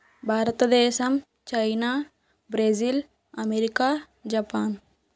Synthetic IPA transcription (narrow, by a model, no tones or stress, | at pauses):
bʱaːɾt̪d̪eːsɐm | t͡ʃainaː | bɾeːzil | ɐmeːɾikaː | d͡ʒapaːn